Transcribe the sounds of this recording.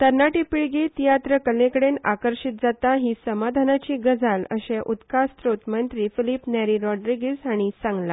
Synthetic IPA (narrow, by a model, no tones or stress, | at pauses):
t̪əɾnaʈipiɭɡit̪ijat̪ɾəkəlẽkəɽena̰kəɾɕit̪̚d͡zat̪aɦiːsəmad̪ʱanat͡ɕiːɡəd͡zʱalə̰ɕẽʔut̪kast̪ɾot̪mənt̪ɾiːfilipnɛɾiɾɔɖɾiɡesaɽ̃isãŋɡla